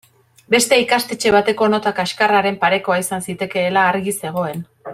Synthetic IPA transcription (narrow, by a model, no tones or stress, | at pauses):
be̞st̪e̞ikast̪e̞t͡ʃe̞β̞at̪e̞ko̞no̞t̪akaeʃkaraɾe̞mpaɾe̞ko̞aisansit̪e̞ke̞ːlaːɾɣise̞ɣ̞o̞e̞n